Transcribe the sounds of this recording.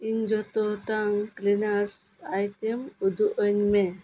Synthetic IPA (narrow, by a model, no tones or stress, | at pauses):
ind͡ʒɔt̪ɔʈaŋklinaɾs | ajʈemud̪uʔənme